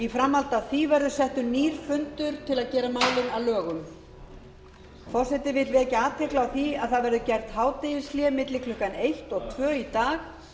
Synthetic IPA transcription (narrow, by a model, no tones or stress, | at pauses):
ifɾamːalt̪aθivɛɾðʏsɛht̪ʏniːɾ̥fʏnt̪ʏɾ̥t̪ʰɪlaðcɛːɾamaːwlɪnaðlœːɣʏm | fɔr̥sɛt̪ɪvɪt̪lvɪɛcaaːt̪ʰɛklaawθiaðθaðvɛɾðʏcɛr̥t̪haːwt̪ɪjɪsljɛmɪt̪lɪkʰlʏhkːanejht̪ɔɣt̪ʰvœːit̪aːx